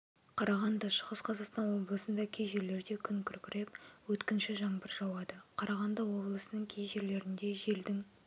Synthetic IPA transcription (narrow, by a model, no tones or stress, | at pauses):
qʰɑɾʔɑʁɑnd̪ɑʃəʁəsqʰɑzɑqst̪ɑnwo̞blˠəsənd̪ɑkʲʰejʒe̞ɾle̞ɾd̪e̞kʲʰʏŋkʲʰʏɾkʲɪɾe̞p̚wɵt̪kʲɪnʃɪʒɑɴbəɾʒɑwɑd̪əqʰɑɾʔɑʁɑnd̪ɑwo̞blˠəsənəɴkʲʰejʒe̞ɾle̞ɾɪnd̪e̞ʒe̞ld̪ɪŋ